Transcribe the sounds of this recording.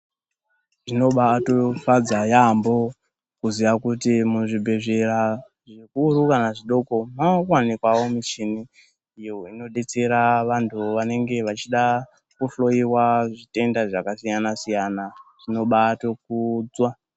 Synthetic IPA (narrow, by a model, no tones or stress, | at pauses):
ʐino̞ɓaːtofad͡zajambo̞ | kuziʋakutimuʐibʱe̞ʐe̞ra | ʐikuɾukanaʐiɗo̞ko̞makwanikwawo̞miʃiniː | joino̞ɗe̞t͡se̞ɾaʋantʰuʋane̞ŋɡe̞ʋat͡ʃiɗa | kuɬo̞iwaʐite̞ndaʐakasijanasijanaʐ̥ino̞ɓaːto̞k̚ud͡zwa